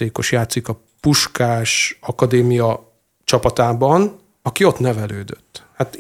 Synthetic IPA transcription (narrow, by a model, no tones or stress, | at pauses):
eːkoʃjaːt̪sikɒ | puʃkaːʃɒkɒd̪eːmijɒ | t͡ʃɒpɒt̪aːbɒn | ɒkio̞t̪nɛvɛløːd̪øt̪ːhat̪